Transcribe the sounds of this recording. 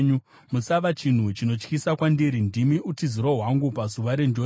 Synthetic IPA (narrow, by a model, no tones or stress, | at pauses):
ɲu | musaʋat͡ʃin̤ut͡ʃino̞t͡ʃkisakwandiɾindimiʔutiziɾoɦwaŋɡupazuʋaɾe̞nd͡ʒo